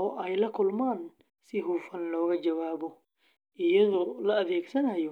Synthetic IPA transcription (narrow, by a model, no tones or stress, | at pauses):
ɔʔɛjlɐkʰʊlmaːn | sɪɦuːfɐnlɔːɣɐd͡ʒɐwaːβɔ | ɪjɐðɔlɐɐðɛːɡsɐnɐjɔ